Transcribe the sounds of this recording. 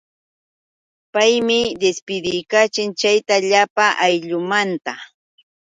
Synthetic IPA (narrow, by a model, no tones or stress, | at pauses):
pajmɪd̪espɪd̪ɪjkat͡ʃɪnt͡ʃajt̪aʎapaʔajʎʊmant̪a